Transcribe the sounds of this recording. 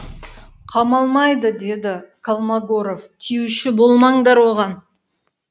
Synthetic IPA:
qʰɑmɑlˠmɑjd̪əd̪e̞d̪ɪkʰalˠmaɡoɾo̞ft̪ʰijuʃɪbo̞lˠmɑɴd̪ɑɾwo̞ʁɑn

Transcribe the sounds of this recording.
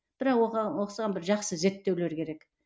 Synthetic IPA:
b̥ɪɾɑqwoɑwoqsəʁɑnbɪɾʒɑqsəze̞ɾt̪ːe̞wle̞ɾkʲʰe̞ɾek

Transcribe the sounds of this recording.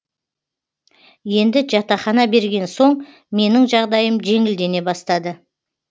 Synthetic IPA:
je̞nd̪ɪʒɑt̪ɑχɑnɑbe̞ɾɡʲe̞nso̞ɴ | me̞nɪŋʒɑʁd̪ɑjəmʒe̞ŋɪld̪e̞ne̞bɑst̪ɑd̪ə

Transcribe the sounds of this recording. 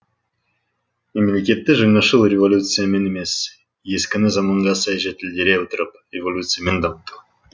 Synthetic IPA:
memelʲekʲe̞t̪ːɪʒəŋɑʃəlˠrʲevolʲut̪sɨjame̞neme̞s | je̞skʲɪnɪzɑmɑɴʁɑsɑjʒet̪ɪlʲd̪e̞ɾeot̪əɾəprʲevolʲut̪sɨjamend̪ɑmət̪u

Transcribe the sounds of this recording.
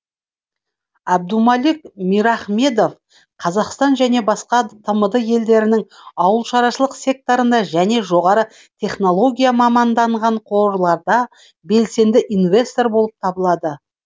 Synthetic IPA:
æb̚d̪umɑlik̚mijɾɑχme̞d̪o̞f | qʰɑzɑqst̪ɑnʒæne̞bɑsqɑt̪ʰəməd̪əje̞ld̪e̞ɾɪnɪŋɑwəlˠʃɑɾɑʃəlˠəqsʲe̞k̚t̪o̞ɾənd̪ɑʒæne̞ʒo̞ʁɑɾə | t̪ʰe̞χno̞lˠo̞ɡʲijamɑmɑnd̪ɑɴʁɑɴqʰo̞ɾlˠɑɾd̪ɑ | be̞lse̞nd̪ɪʔinve̞st̪o̞ɾbo̞lˠəp̚t̪ʰɑbəlˠɑd̪ə

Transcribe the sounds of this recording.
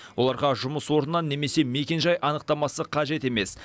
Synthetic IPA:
wʔo̞lˠɑɾʁɑʒʊməswo̞ɾnːɑnːe̞me̞se̞me̞kʲe̞nʒɑjʔɑnəq̚t̪ɑmɑsəqʰɑʒe̞t̪e̞me̞s

